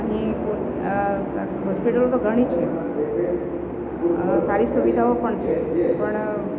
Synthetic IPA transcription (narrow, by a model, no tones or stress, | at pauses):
ɦiko | ɦɔspiʈəlot̪oɡʱəɽ̃it͡ʃʰe | saɾisuʋid̪ʱaopəɳt͡ʃʰepəɳ